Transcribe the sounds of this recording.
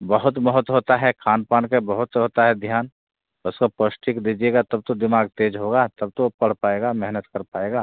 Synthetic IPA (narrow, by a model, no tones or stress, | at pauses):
bəɦʊt̪bəɦʊt̪ɦoːt̪aɦɛkʰaːnpaːnkebəɦʊt̪ɦoːt̪aɦɛd̪ʱjaːn | ʊskopəsʈikd̪iːd͡ʒeːɡat̪ɐb̚t̪od̪ɪmaːɡ̚t̪eːd͡ʒɦoɡat̪ɐb̚t̪opɐɽ̤paːeːɡamɛɦnət̪kəɾpaːeːɡaː